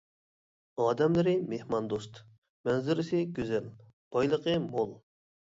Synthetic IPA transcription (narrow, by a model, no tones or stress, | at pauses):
ɑːd̪ɛmlɪɾɪmehmɑnd̪ost̪ | mɛnzɪɾɪsɪɡʲøzɛl | b̥ɑjlˠəqəmolˠ